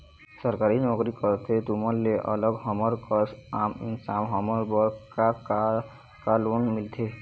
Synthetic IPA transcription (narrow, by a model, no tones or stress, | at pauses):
səɾkaɾinɔɡɾikɔɾt̪ʰet̪umɔɾːeʔə̰ləɡɦɔmɔɾkɔsamḭnsamɦɔmɔɾbɔɾkaka | kalonmilt̪ʰe